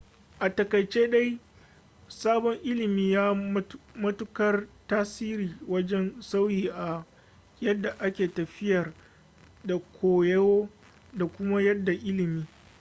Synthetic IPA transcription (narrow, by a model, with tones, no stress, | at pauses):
ʔa˨tɐ˨kɐ˨jt͡ʃeː˦ɗa˦j | saː˦bɔ˦ŋʔɪ˦lɪ˨miː˦jaː˦mɐ˦tʊ˦kɐ˦rtaː˦siː˦ɾiː˨wɐ˦d͡ʒɛ˦nsa˦wjiː˨ʔa˨ | jɐ˦dːa˨ʔa˦kʲeː˨tɐ˨ɸɪ˦jɐ˨r | da˨kʷʰoː˨jɐ˦woː˦ | da˨kʷʊ˦ma˦jɐ˦dːa˨ʔɪ˦lɪ˨miː˦